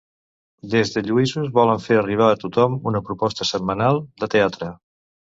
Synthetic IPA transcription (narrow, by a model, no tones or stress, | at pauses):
d̪ezðəʎuizuzβɔləɱfeɾəriβ̞aːt̪ut̪ɔmunəpɾupɔst̪əsəmmːənalˠd̪ət̪eat̪ɾə